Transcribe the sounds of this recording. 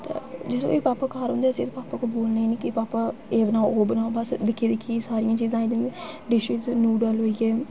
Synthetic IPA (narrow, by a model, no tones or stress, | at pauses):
t̪ḛːd͡ʒɪsõ̰ːeːpaːpaːkaːɾõːnd̪eːəsĩːt̪ːpaːpaːkoːboːlnaːiːniːkɪpaːpaːeːbənaːoːbənaːobəsd̪ɪkʰːiːd̪ɪkʰːiːsaːɾɪjãːt͡ʃiːzãːiːd̪iːniɖɪʃiznuːɖəlɦoːiɛː